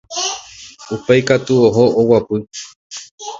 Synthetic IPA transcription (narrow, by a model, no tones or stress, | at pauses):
upejkat̪uoɦoʔowapɨ